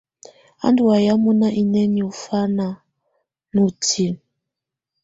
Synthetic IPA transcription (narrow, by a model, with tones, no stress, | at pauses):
a̰˦ndu˨wa˨ja˦mu˦na˦ʔi˨nɛ˦ni˨u˨fa˦na˨ | nu˨tʰi˨n